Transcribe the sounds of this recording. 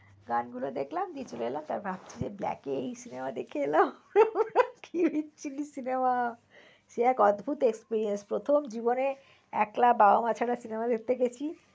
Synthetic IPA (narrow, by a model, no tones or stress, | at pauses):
ɡanɡulod̪ekʰlamd̪iet͡ɕoleelamt̪a̰ɾbʱab̚t͡ɕʰid͡ʑeblɛ̰keejsinemad̪ekʰeelam | kʰibʱitːt͡ɕʰilisinema | ʃeɛkɔd̪bʱut̪ekspiɾienspɾot̪ʰomd͡ʑibone | ɛklababamat͡ɕʰaɾasinemad̪ek̚ʰt̪eɡet͡ɕʰi